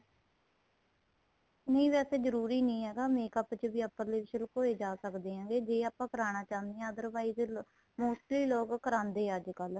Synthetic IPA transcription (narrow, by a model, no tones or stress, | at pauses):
nəĩːʋɛːseːzəɾuːɾiːnĩːɦɛːɡaːmeːkəpt͡ʃəʋiːəpːəɾleːʋɪʃəlkoːeːd͡ʒaːsəkd̪eːɦãːɡeːd͡ʒeːaːpãːkəɾaːnaːt͡ʃaːnd̪eɦɛ̃ːəd̪əɾʋaːiz | moːsʈliːloːkkːəɾãːnd̪eːəd͡ʒkəl